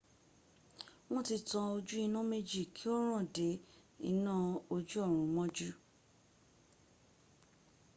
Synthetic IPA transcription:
wɔ̃˦ti˧tã˧o˧d͡ʒu˦i˧nũ˦me˦d͡ʒi˦˨kʰi˨˦ɔ˦ɾ̃ã˦˨de˨˦ḭ˦nã˦o˧d͡ʒu˦ɔ˦˨ɾ̃ũ˨˦mɔ̃˦d͡ʒu˦

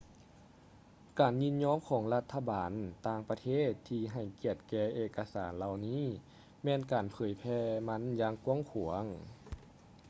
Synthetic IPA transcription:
kaː˨˩nɲi˧˥nɲɔː˧˥˨mkʰɔː˩˦ŋla˧t̪ʰːa˧baː˨˩nt̪aː˧ŋpa˧t̪ʰeː˥˩t̪ʰːiː˧ɦa˨˩jki˧˩ət̪̚kɛː˧ʔeː˧kːa˧saː˨˩˦nla˧wniː˧˥˨ | mɛː˧nkaː˨˩npʰɤː˨˩jpʰɛː˧ma˧˥˨njaː˧ŋku˧əŋkʰu˨˩əŋ

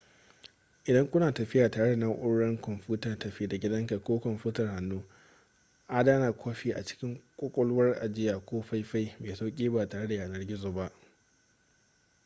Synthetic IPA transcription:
ʔɪ˨dɐ˦ŋkʷʊ˦naː˨tɐ˨ɸɪ˦jaː˨taː˨ɽe˦da˨nɐ˦ŋʔʊ˦ɽɽɐ˦ŋkɔ˨mɸuː˦ta˨tɐ˨ɸiː˦da˨ɡʲɪ˦dɐ˦ŋka˨kʷoː˦kɔ˨mɸuː˦tɐ˨rha˨nːuː˦ | ʔa˦daː˦naː˨kʷʰoː˦ɸiː˦ʔa̰˨t͡ʃɪ̥˦kʲɪ˦ŋkʷʼoː˦kʷʼɔ˦lʊ˦wɐ˦rʔa̰˨d͡ʒɪ˦jaː˨kʷoː˦ɸa˦jɸa˦jmeː˨sa˦kʲʼiː˦baː˨taː˨ɽe˦da˨jaː˨nɐ˦rɡʲɪ˦zoː˨ba˦ʔ

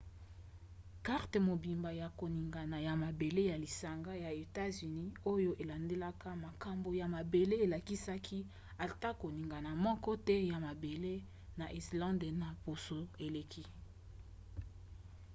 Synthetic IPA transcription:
ka˦ʁte˨mo˨bi˨mba˨ja˨ko˨ni˨ŋɡa˨na˨ja˨ma˨be˨le˦ja˨li˨sa˨ŋɡa˦ja˨e˨ta˦zy˨ni˦o˦jo˦ʔe˨la˨nde˦la˦ka˦ma˨ka˨mbo˨ja˨ma˨be˨le˦e˨la˨ki˦sa˦kʰi˦ | a˨ta˦ko˨ni˨ŋɡa˨na˨mɔ˦kɔ˦tɛ˦ja˨ma˨be˨le˦ | na˨ʔi˨slɑ̃˦nde˨na˨po˨so˨e˨le˨kʰi˦

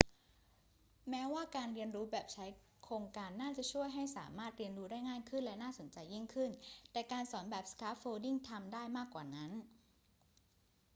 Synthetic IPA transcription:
mɛː˦˥waː˥˩kaː˧nɾi˧ənɾuː˦˥bɛː˨˩p̚t͡ɕʰa˦˥j | kʰɾoː˧ŋkaː˧nːaː˥˩t͡ɕa˨˩t͡ɕʰu˥˩əjɦa˥˩jsa̰ː˩˦maː˥˩t̪̚ɾi˧ənɾuː˦˥daː˥˩jŋaː˥˩jkʰɯ˥˩nlɛ˦˥naː˥˩so˩˦nt͡ɕa˧jːi˥˩ŋkʰɯ˥˩nt̪ɛː˨˩kaː˧nsɔː˩˦nbɛː˨˩p̚skaː˦˥p̚foː˧di˥˩ŋt̪ʰa˧mdaː˥˩jmaː˥˩kwaː˨˩na˦˥n

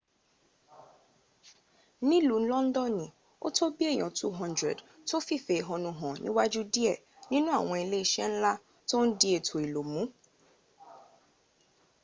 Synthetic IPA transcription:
nĩ˦lu˨n̩˦lɔ̃˦n̩˦dɔ˦nĩ˨ | o̰˦tʰo˦bi˦e˦˨j̃ɔ̃˨tṵ˦ɦɔ̃˦ndɾɛ̰˨d | to˦fi˦˨fe˨e˨ɦɔ̃˨nũ˨ɦɔ̃˨nḭ̃˦wa˦d͡ʒu˦di˦ɛ˦˨ | nĩ˦nũ˦a˦˨w̃ɔ̃˧e˨le˦ʃɛ˦n̩˦la˦ | to˦n̩˦di˦e˨tʰo˨i˨lo˨mũ˨˦

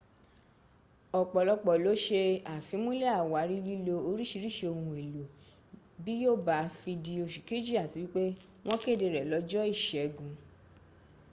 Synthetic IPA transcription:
ɔ˨k͡pɔ˨lɔ˧k͡pɔ˨lo˨˦ʃe˧a˨fĩ˨˧˦mũ˦lɛ˦a˦˨wa˨˦ɾi˦li˦lo˧o˧ɾi˦ʃi˧˦ɾi˦˨ʃe˧o˧hũ˧e˨lo˨ | bi˦jo˦˨ba˨˧˦fi˧di˧o˧ʃu˨ki˦d͡ʒi˦a˦˨ti˨˦wi˦k͡pe˦ | w̃ɔ̃˦ke˦˨de˨˧ɾɛ˨lɔ˨˧˦d͡ʒɔ˦i˦˨ʃɛ˨˦ɡũ˧

